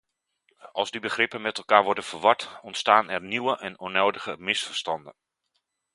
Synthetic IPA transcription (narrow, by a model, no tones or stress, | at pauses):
ʔɑlˠzdibəχrɪpənmɛtɛlˠkaːɹʋɔɹdənv̥əɹʋɑtɔntstaːnɛɹniwəʔɛnɔnowdəɣəmɪsfəɹstɑndən